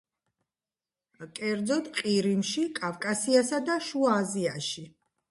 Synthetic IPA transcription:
kʼɛɾd̪zɔd̪qʼiɾimʃikʼavkʼasiasad̪aʃuaːziaʃi

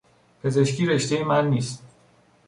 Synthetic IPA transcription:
pʰe̞ze̞ʃcʰiːɾe̞ʃt̪e̞jemænːiːst̪

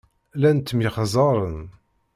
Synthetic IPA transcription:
lænt̪ːəmjəχzˤɑɾˤən

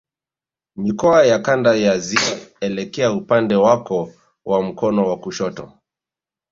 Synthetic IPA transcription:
mikɔajakandajaziɛlɛkɛaupandɛwakɔ | wam̩kɔnɔwakuʃɔtɔ̰

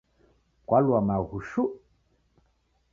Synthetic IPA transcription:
kwalwamaɣuʃu

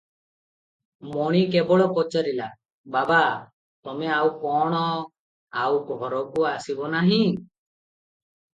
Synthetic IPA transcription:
mɔɽ̃ikebɔɭɔpɔt͡ʃaɾila | baba | t̪ɔmeawkɔɽ̃ɔ | awɡʱɔɾɔkuasibɔnaɦĩ

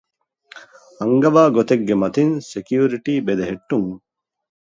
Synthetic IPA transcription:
ɐŋɡɐʋaːɡot̪eɡːemɐt̪insekijuːɾiʈiːbed̪eɦeʈːuŋ

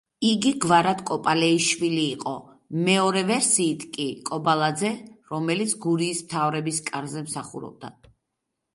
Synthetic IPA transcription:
iɡiɡvaɾat̪kʼɔpʼalɛiʃwiliːqʼɔ̰ | mɛɔɾɛvɛɾsiːt̪ʰkʼikʼɔbalˠad̪zɛɾɔmɛlit̪sʰɡuɾiːsmt̪ʰavɾɛbiskʼaɾzɛmsaχṵɾɔ̰b̚d̪a̰

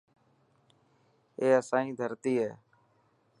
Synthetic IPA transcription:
eːəsãːĩːd̪ʱəɾt̪iːɦeː

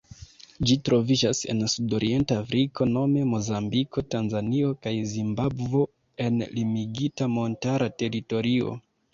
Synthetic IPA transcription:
d͡ʒitɾo̞vid͡ʒasḛnsudo̞ɾʔie̞ntaːfɾiko̞no̞me̞mo̞zambiko̞tanzanio̞kajzimbabvo̞ | e̞nlimiɡitamo̞ntaɾate̞ɾito̞ɾio̞̰

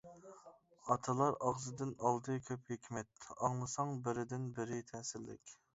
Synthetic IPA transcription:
ɑt̪ʰɨlˠɑɾɑʁzɨd̪ɨnɑlˠd̪ɨkʲʰøphekʲʰmɛt̪ɑŋlˠɨsɑŋbɪɾɪd̪ɪnbɪɾɪt̪ʰɛsɪllːɪ̰kʲ

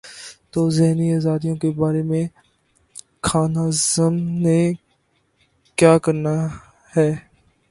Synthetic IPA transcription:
t̪oːzɪɦniaːzaːd̪ijõkebaːɾemẽ | kʰaːnaːzəmne | kjaːkəɾna | hɛː

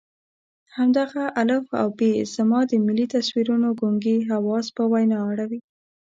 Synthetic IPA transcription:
hamd̪aɣaʔaləfa̰wbez̥mɑd̪əmɪlit̪aswiɾunoɡoŋɡiɦawɑspəwajnɑaɽawi

